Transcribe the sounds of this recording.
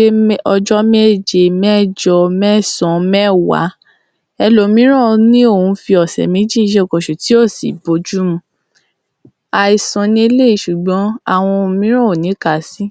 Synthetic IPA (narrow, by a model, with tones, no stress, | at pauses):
ɔ˧d͡ʒɔ˦me˦˨d͡ʒe˧mɛ˦˨d͡ʒɔ˧mɛ˦˨sɔ̃˨mɛ̃˦˨wa̰˨˦ | ɛ˧lo˨˦mĩ˨˦ɾ̃ɔ̃˦˨nĩ˦o˦˨ũ˨˧˦fi˧ɔ˨sɛ̰˨mĩ˨˦d͡ʒĩ˦˧˦ʃe˦˨kɔ˨ʃu˨ti˨˦o˦˨sḭ˨bo˨˦d͡ʒu˦mũ˧˦ | a˨i˨sɔ̃˨nĩ˧˦e˧˦le˦i˧˦ʃu˨ɡ͡bɔ̃˨˦a̰˦˨w̃ɔ̃˧o˧˨mĩ˦ɾ̃ɔ̃˦o˨nĩ˨˦ka˦˨si˦